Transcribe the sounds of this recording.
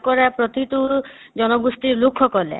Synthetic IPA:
kɔɾapɾɔt̪it̪ud͡ʒɔnɔɡust̪iɾlukʰːɔkɔlḛ

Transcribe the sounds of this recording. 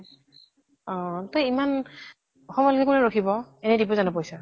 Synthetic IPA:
ɔ̃t̪ɔjiman | xɔmɔjlkɛkunɛɹokʰibɔɛnɛdipɔzanɔpojsa

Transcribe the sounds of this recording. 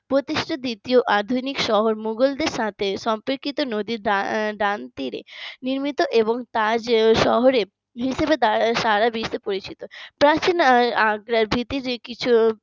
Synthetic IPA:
pɾot̪iʃʈʰad̪it̪ioʔad̪ʱunikʃɔɦoɾmuɡold̪eɾʃat̪ʰeʃɔmpeɾkit̪onod̪iɾɖaɖant̪iɾḛniɾmit̪oʔeboŋt̪ad͡ʑʃɔɦoɾe | ɦiʃebed̪aʃaɾabiʃepoɾit͡ɕit̪opɾat͡ɕinaɡɾaɾbʱit̪iɾkit͡ɕʰu

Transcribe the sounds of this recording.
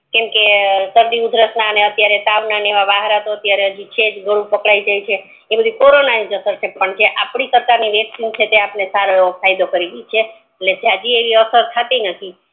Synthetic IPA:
kemkesəɾd̪iud̪ʱɾəsnaəneət̪jaɾet̪aʋnaneʋaʋaɦɾat̪oət̪jaɾeɦəd͡ʒit͡ʃed͡ʒɡəɽũpəkɭaid͡ʒajt͡ʃʰe | ebəd̪ʱikoɾonanid͡ʒəsəɾt͡ʃʰepəɳd͡ʒeʔapɳikəɾt̪aniʋjəksint͡ʃʰet̪eapnesaɾofajd̪okəɾiɡət͡ʃʰe | etled͡ʒead͡ʒieʋiəsəɾt̪ʰat̪inət̪ʰi

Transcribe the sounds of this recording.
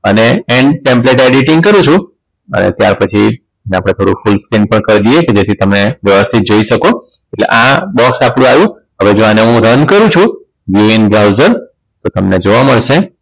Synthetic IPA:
əneeɳɖpẽmpleʈeɖiʈɪ̃ŋɡkəɾũt͡ʃʰũ | ə̰nḛt̪ja̰ɾpət͡ʃʰi | neapɽ̃et̪ʰoɽufulskinpəɳkəɾd̪ijeked͡ʒet̪ʰit̪əmneʋjəʋəst̪ʰit̪̚d͡ʒoiʃəko | eʈlḛʔabɔksapɽ̃ũajũ | ɦəʋed͡ʒoaneɦũɾənkəɾũt͡ʃʰũ | ʋienbɾauzəɾ | t̪ot̪əmned͡ʒoʋaməɭʃe

